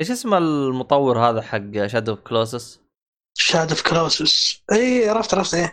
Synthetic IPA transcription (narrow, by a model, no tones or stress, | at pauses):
ʔeːʃʔɪsmalmʊt̪ˤɑwːɪɾhaːðaħaɡːaʃaːd̪ʊfkloːs̬ɪs | ʃaːd̪ʊfkloːsɪsʔiːʕɑɾˤɑft̪ʕɾˤɑfsʔeː